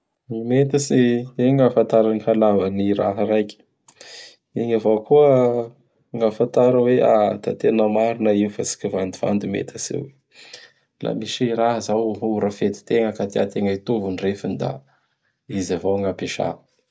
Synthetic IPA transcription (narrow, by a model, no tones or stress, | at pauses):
imet̪əsieŋafant̪aɾanihalavəniɾaɦəɾajkʲi̥ | iɲavokuə | ŋafant̪aɾəwea̰t̪a̰t̪enəmaɾinəiwfasi̥kʲivand̪iva̰nd̪umḛt̪ʰasḛwe | lʔa̰miʃiɾaɦəzawɦuɾafet̪i̥t̪eŋəkat̪ia̰t̪eŋəit̪uvunirefanid̪a̰ | izavowŋapeʃa̰